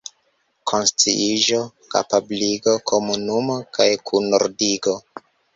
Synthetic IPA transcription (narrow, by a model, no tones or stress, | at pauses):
kʰo̞nst͡siʔiʒo̞ | ka̰pabliɡo̞kʰo̞munumokajkʰunoɾdiɡo̞